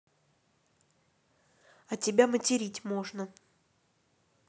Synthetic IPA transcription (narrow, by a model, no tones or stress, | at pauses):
ɐtʲɪbʲamətʲɪɾʲitʲmo̞ʐnə